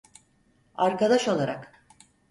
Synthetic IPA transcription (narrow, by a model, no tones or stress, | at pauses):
aɾkad̪aʃo̞lˠaɾak